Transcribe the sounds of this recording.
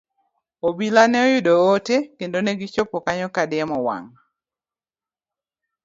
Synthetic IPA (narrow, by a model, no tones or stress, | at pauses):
obilanɛojʊdootekendonɛɡɪt͡ʃopɔkaɲɔkadɪɛmɔwa̰ŋ